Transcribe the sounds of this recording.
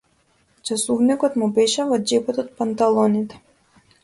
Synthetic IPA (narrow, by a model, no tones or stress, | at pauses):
t͡ʃasuvnikɔt̪mubɛʃɛvɔd͡ʒɛpɔt̪ɔt̪̚pant̪alˠɔnit̪ɛ̥